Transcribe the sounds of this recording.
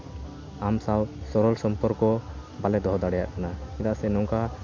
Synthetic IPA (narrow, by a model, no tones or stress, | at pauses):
amsawsɔɾɔlsɔmpɔɾkɔbalɛd̪ɔɦɔd̪aɽɛjaʔkanaɛd̪aʔsɛnɔŋka